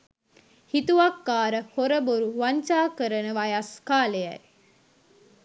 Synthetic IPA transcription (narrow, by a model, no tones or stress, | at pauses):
hit̪uʋɐkːaːɾəhoɾəboɾuʋaɲt͡ʃaːkəɾənəʋajaskaːlejɐ̰